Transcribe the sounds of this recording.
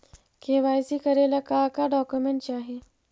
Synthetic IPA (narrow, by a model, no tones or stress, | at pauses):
keʋajsikəɾelakakaɖɔkjumeɳʈt͡ɕaːɦe